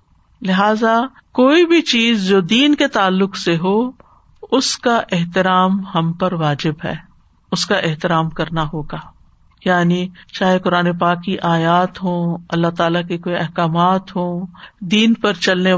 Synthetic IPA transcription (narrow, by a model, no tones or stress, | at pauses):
lɪɦaːza | koːibʱit͡ʃiːzd͡ʒoːd̪iːnket̪aːlːʊkseɦoː | ʊskaʔɪɦt̪ɪɾaːmhɐ̃mpɐɾʋaːd͡ʒɪbɦɛ̰ː | ʊskaʔɪɦt̪ɪɾaːmkɐɾnaɦoːɡaː | jaːnit͡ʃaːɦekʊɾaːnepaːkːiʔaːjaːt̪ɦoːɐlːat̪aːlakekoːiɐɦkaːmaːt̪ɦoːd̪iːnpɐɾt͡ʃɐlne